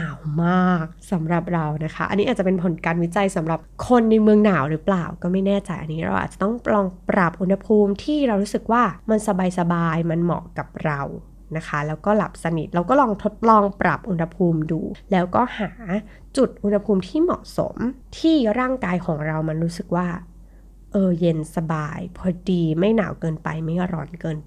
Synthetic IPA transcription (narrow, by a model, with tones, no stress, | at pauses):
naː˨˩wmaː˥˩k̚sa˩˦mɾa˨˩p̚ɾa˧wna˦˥kʰa˦˥ʔa̰˧niː˦˥aː˨˩t̚t͡ɕa˨˩pe˧npʰo˨˩˦nkaː˧nwi˦˥t͡ɕa˧jsa˩˦mɾa˨˩p̚kʰo˧nːa˧jmɯ˧əŋnaː˩˦wɾɯː˦˥plaː˨˩wkɔː˥˩ma˥˩jnɛː˥˩t͡ɕa˧jʔa̰˧nːiː˦˥ɾa̰˧wʔa̰˨˩t͡ɕḁ˨˩t̪ɔ˥˩ŋplɔː˧ŋpɾa˨˩p̚ʔu˧nha˧pʰuː˧mt̪ʰiː˥˩ɾa˧wɾuː˦˥sɯ˨˩k̚waː˥˩ma˧nsa˧baː˧jsa˧baː˧jma˧nmɔ̰˨˩ka˨˩p̚ɾa˧w | na˦˥kʰa˦˥lɛː˦˥wkɔː˥˩la˨˩p̚sa˧nḭ˨˩t̪̚ɾa˧wkɔː˥˩lɔː˧ŋt̪ʰo˦˥t̪̚lɔː˧ŋpɾa̰˨˩p̚ʔu˧nha˧pʰuː˧mdṵː˧lɛː˦˥wkɔː˥˩haː˩˦ | t͡ɕu˨˩t̪̚ʔu˧nha˧pʰuː˧mt̪ʰiː˥˩mɔ̰˨˩ʔso̰˩˦mt̪ʰiː˥˩ɾaː˥˩ŋkaː˧jkʰɔː˨˩˦ŋɾa˧wma˧nɾuː˦˥sɯ˨˩k̚waː˥˩ | ʔɤː˧je˧nsa˧baː˧jpʰɔː˧diː˧ma˥˩jna̰ː˩˦wkɤː˧npa̰˧jma˥˩jkɾɔ̰ː˨˩nkɤː˧n